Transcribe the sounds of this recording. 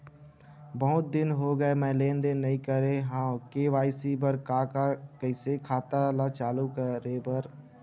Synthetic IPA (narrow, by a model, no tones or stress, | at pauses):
bəɦʊt̪̚d̪ɪnɦoɡəemɛ̃ːlẽːnd̪ɪːɐĩkəɾeɦãːkeːʋaːɪsibəɾkaːkakəɪsekʰaːt̪alaːt͡ʃaːlukəɾebəɾ